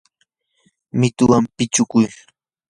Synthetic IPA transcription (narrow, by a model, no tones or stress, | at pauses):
mɪt̪ʊwampɪt͡ʃʊkʊj